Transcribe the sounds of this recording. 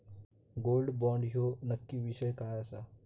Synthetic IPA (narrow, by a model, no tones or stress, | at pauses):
ɡoːlɖbɔ̃ːɳɖɦonəkːiʋɪʃəjkaːasaː